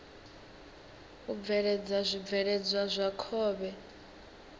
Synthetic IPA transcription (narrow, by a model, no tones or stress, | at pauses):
ub̪vɛɺɛd͡zazʷib̪vɛɺɛd͡zwazʷakʰɔːβɛ